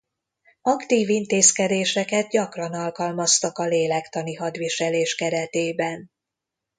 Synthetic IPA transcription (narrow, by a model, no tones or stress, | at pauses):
ɒkt̪iːvint̪eːskɛd̪eːʃɛkɛd̪̚ɟɒkrɒnɒlkɒlmɒst̪ɒkɒleːlɛkt̪ɒniɦɒd̪ʋiʃɛleːʃkɛɾɛt̪eːbɛn